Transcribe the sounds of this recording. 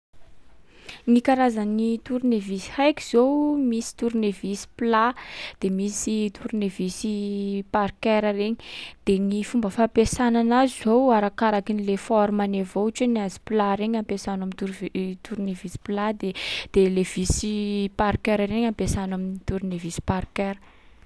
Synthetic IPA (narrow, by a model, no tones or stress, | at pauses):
nikaɾazanit̪uɾunevisi̥hajki̥z̥owmisi̥t̪uɾunevisi̥plad̪̥emisit̪ʰuɾunevisipaɾkeɾəɾeɲi̥d̪̥enifumbəfapesananazizowaɾakaɾakinilefɔɾmanevot͡ʃeniazi̥plaɾeɲampesanamint̪uɾt̪ʰuɾnevisi̥plad̪ed̪̥elev̥isipaɾkeɾaɾeɲampesanaminit̪uɾunevisi̥parkeɾə